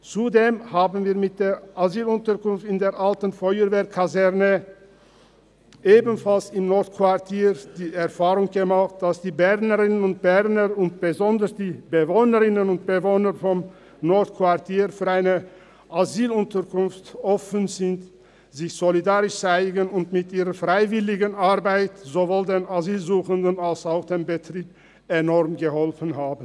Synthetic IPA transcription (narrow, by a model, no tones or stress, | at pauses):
t͡sudeːmhaːbn̩viːɐmɪt̚d̥eːʔaziːlʊntəkʊnftɪndeːɐʁʔaltən̩fɔʏəveːɐkʰazɛʁnə | ʔeːbn̩falsɪmnɔɐtkʰv̥aʁtʰiːʁd̥iːɛɐfaːʁʊŋɡəmaχt̚d̥asd̥iːbɛʁnəʁɪnənʊnt̚b̥ɛʁnəʁʊnt̚b̥əzɔndəsd̥iːbəvoːnəʁɪnənʊnt̚b̥əvoːnəfɔm | nɔɐtkv̥aʁtʰiːʁfyːɐaɪnə | ʔaziːlʊntɐʁkʊnftʔɔfənzɪnt | z̥ɪçz̥olidaːʁɪʃt͡saɪɡənʊntmɪtʔiːʁɐfʁaɪvɪlɪɡənaʁbaɪtz̥ovoːldeːnaziːlzuːxəndənalsaʊxd̥eːmbətʁ̥iːp̚ | enɔʁmɡəhɔlfən̩ɦaːbn̩